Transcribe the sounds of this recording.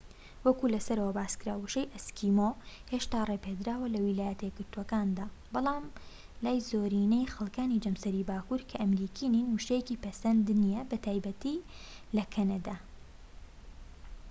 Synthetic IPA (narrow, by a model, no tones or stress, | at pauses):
wɐkulɐsɐɾɐwɐbaːskɾaːwuʃejʔɐskʰimoheːʃt̪aːreped̪ɾaːwɐlɐwilaːjɐt̪ʰɐjeɡɨɾt̪uwɐkaːnd̪aːbɑlˠaːm | laːjzoːɾiːnejxɐlˠkaːnid͡ʒɐmsɐɾibaːkuɾkʰɐʔɐmɾiːkʰiːninhuʃejeciːpɐsɐnd̪nijɐbɐt̪ʰaːjbɐt̪i | lɐkʰɐnɐd̪a